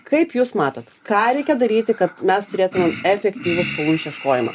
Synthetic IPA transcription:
kɐɪpjuːsmɑːt̪oːt̪kɑːɾʲɛɪkʲɛd̪ɐɾʲiːt̪ʲɪkɐt̪̚mʲɛst̪ʊɾʲeːt̪ʊmʲɛmɛfʲɛkt̪ʲiːʋʲʊskolˠuːnʲʃʲiɛʃkoːjɪmɐ̰

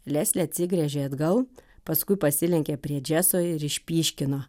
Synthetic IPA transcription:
lʲæːsʲlʲɛɐt̪ʲsʲɪɡɾʲɛʒʲeːɐd̪ɡɐlˠpɐskʊɪpɐsʲɪlʲɛŋʲkʲɛpʲɾʲiɛd͡ʒʲæːsoːɪɾɪʃʲpʲiːʃʲkʲɪnoː

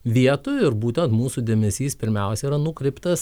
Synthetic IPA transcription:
ʋʲiɛt̪ʊɪɾbuːt̪ʲɛnt̪muːsuːd̪ʲeɛmʲɛsʲiːspʲɪɾʲmʲɛʊsʲɛiːɾɐnuːkɾʲɛɪpt̪ɐs

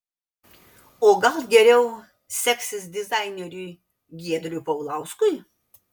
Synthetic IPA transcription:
oːɡɐlˠɡʲɛɾʲɛʊ | sʲɛksʲɪsd̪ʲɪzɑɪnʲeɾʲuː | ɡʲiɛd̪ʲɾʲʊpɐʊlˠɑˑʊskʊj

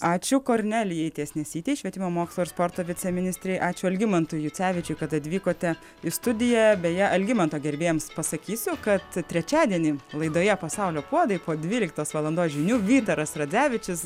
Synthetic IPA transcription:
ɑːt͡ʃʲʊkoːɾʲnʲæːlʲɪjɛɪt̪ʲiɛsʲnʲɛsʲiːt̪ʲɛːɪʃʲʋʲiɛt̪ʲɪmoːmoːkslˠoːɪɾrspoːrt̪oːʋʲɪt͡s̪ʲɛmʲɪnʲɪsʲt̪ʲɾʲɛɪʔɑːt͡ʃʲʊɐlʲɡʲɪmɐnt̪ʊjjʊt͡sʲæːʋʲɪt͡ʃʲʊɪkɐt̪ɐt̪ʲʋʲiːkoːt̪ʲɛ | ɪst̪ʊd̪ʲɪjæbʲeːjɛʔɐlʲɡʲɪmɐnt̪oːɡʲɛɾʲbʲeːjɛmspɐsɐkʲiːsʲʊkɐt̪t̪ʲɾʲɛt͡ʃʲæːd̪ʲiɛnʲiːlˠɐɪd̪oːjɛpɐsɐʊlʲoːpuɔd̪ɐɪpoːd̪ʲʋʲiːlʲɪkt̪oːsʋɐlˠɐnd̪oːsʒʲɪnʲuːʋʲiːt̪ɐɾɐsɾɐd͡zʲæːʋʲɪt͡ʃʲɪs

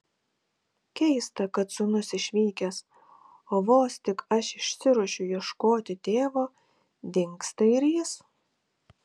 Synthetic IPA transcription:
kʲɛɪst̪ɐkɐt̪sʊnʊsɪʃʲʋʲiːkʲɛs | oːʋoːst̪ʲɪkɐʃɪʃʲsʲɪɾuɔʃʲʊjiɛʃkoːt̪ʲɪt̪ʲeːʋoː | d̪ʲɪŋkst̪ɐɪɾʲjɪs

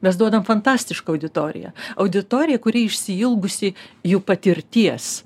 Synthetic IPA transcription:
mʲɛs̬d̪uɔd̪ɐmfɐnt̪ɑːsʲt̪ʲɪʃkɐɐʊd̪ʲɪt̪oːɾʲɪ̰jɛ̰ɐʊd̪ʲɪt̪oːɾʲɪjɛkʊɾʲiɪʃʲsʲɪɪlˠɡʊsʲɪjuːpɐt̪ʲɪɾʲt̪ʲiɛs

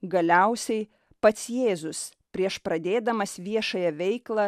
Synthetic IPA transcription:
ɡɐlʲɛʊsʲɛɪ | pɐt̪sjeːzʊs | pʲɾʲiɛʃpɾɐd̪ʲeːd̪ɐmɐsʋʲiɛʃɐjɛʋʲɛɪklˠɐ

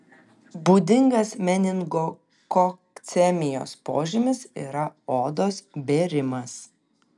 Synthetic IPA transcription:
buːd̪ʲɪŋɡɐsmʲɛnʲɪŋɡoː | kɔkt̪sʲɛmʲɪjo̰ːspo̰ːʒʲɪmʲɪsḭːɾɐoːd̪oːsbʲeːɾʲɪmɐs

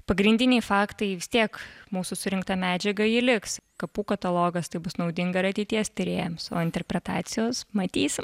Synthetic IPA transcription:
pɐɡɾʲɪnʲd̪ʲɪnʲɛɪfɑːkt̪ɐɪʋʲɪst̪ʲiɛkmuːsʊsʊɾʲɪŋkt̪ɐmʲæːd͡ʒʲɛɡɐilʲɪkskɐpuːkɐt̪ɐlˠoːɡɐst̪ɐɪbʊsnɐʊd̪ʲɪŋɡɐɾɐt̪ʲɛɪt̪ʲiɛst̪ʲɪɾʲeːjɛmso̰ːɪnʲt̪ʲɛrʲpʲɾʲɛt̪ɑːt̪sʲɪjoːsmɐt̪ʲiːsʲɪ

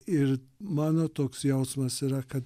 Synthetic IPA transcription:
ɪɾmɑːnoːt̪oːksjɛʊsmɐsiːɾɐkɐt̪

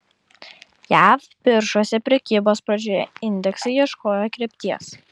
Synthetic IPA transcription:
jæːˑf | pʲɪɾʃoːsʲɛpʲɾʲɛkʲiːboːspɾɐd͡ʒʲoːjɛ̰ɪnʲd̪ʲɛksɐɪiɛʃkoːjoːkɾʲɛpʲt̪ʲiɛs

